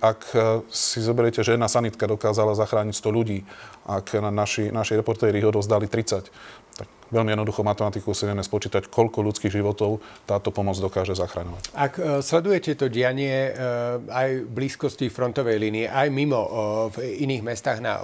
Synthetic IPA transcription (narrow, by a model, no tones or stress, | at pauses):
ʔaksizɔbɛɾjɛcɛʒɛjɛd̪naːsanit̪kad̪ɔkaːzalazaxɾaːɲicst̪ɔʎuɟiːʔaknaʃinaʃɛɾɛpɔɾt̪ɛːɾiɦɔd̪ɔzd̪alit̪ɾit͡sact̪ak | ʋɛʎmiɛd̪nɔd̪uxɔmat̪ɛmat̪ikuusɛɲɛmɛspɔt͡ʃiːt̪ackʰɔʎkɔʎut͡skiːɣʒiʋɔt̪ɔʊt̪aːt̪ɔpɔmɔd͡zd̪ɔkaːʒɛzaxɾaɲɔʋacakslɛd̪ujɛcɛt̪ɔɟɪaɲɪɛ | ajbliːskɔscifɾɔnt̪ɔʋɛjliniɛʔajmimɔviniːɣmɛst̪aɣna̰